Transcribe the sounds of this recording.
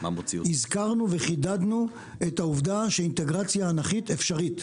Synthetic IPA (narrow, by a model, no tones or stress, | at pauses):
maot͡siizkaʁnuveχidad̪nu | ethauvdaʃeinte̞ɡʁat͡sjaːnaχitefʃaʁit